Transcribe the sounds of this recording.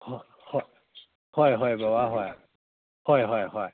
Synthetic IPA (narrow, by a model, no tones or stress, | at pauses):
hɔ | hɔ | hɔjɦɔjbawaɦɔj | hɔjɦɔjhɔj